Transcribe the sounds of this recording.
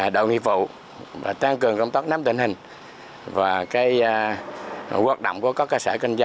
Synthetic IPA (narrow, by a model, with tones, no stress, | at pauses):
ɗo̰˧˨wŋḭ˧˨vṵ˧˨ | va̰ː˨˩t̪a˧ŋkɨ˨˩əŋkə˧wŋ͡mt̪aː˦˥k̚naː˨˦mt̪ï˨˩ŋ̟hï˨˩ŋ̟ | vaː˨˩kaː˨˦j | ɣaː˨˦˥k̚ɗə̰˧˨ŋ͡mku˧˩əkɔ˨˦kəː˧saː˧˩kə˧ŋza˧